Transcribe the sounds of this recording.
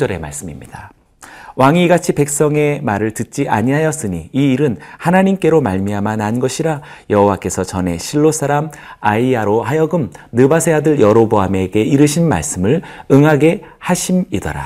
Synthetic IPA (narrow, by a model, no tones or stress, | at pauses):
ʌɾe̞ma̰ɭs͈ɯmimɲida | waŋiːɡat͡ɕʰipe̞k̚s͈ʌŋe̞maɾɯɭtɯt̚t͡ɕ͈iʔa̰ɲiɦajʌs͈ɯɲiiːɾɯnhanaɲimk͈e̞ɾomaɭmiamananɡʌɕʰiɾa | jʌɦowak͈e̞sʰʌt͡ɕʌne̞ɕʰiɭːos͈ʰaɾam | aiaɾoɦajʌɡɯmnɯbasʰe̞adɯɭjʌɾoboɦame̞ɡe̞iɾɯɕʰinma̰ɭs͈ɯmɯɭɯŋɦaɡe̞haɕʰimidʌ̰ɾa̰